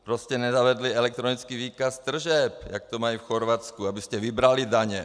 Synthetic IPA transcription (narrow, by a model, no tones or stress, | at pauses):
pɾoscɛnɛzavɛd̪liɛlɛk̚t̪ɾonit͡skiːviːkast̪r̩ʒɛp̚ja̰k̚t̪omaifxoɾvat͡skuabiscɛvibɾalid̪aɲɛ